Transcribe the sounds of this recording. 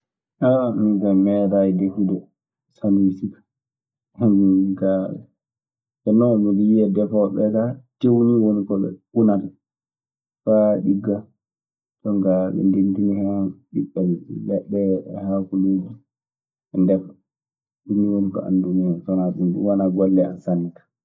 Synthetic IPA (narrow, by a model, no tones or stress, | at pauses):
ʔamiɡamɛdajdekidɔ | sanuisikḁ | miɡaɛ̰ | ɛnɔmiliiɛdɛfɔɓɛkatewniwonikɔɗɔ̰unal | faɗiɡːa | tɔŋɡaɓɛ̰ndentinihɛnɗiɓːɛlːɛɗːɛhakuluːd͡ʒi | ɛndɛfɔ | duiwonikɔ̰ʔa̰ndumihɛnsɔnaɗumɗṵwanaɡɔlːɛansanːikḁ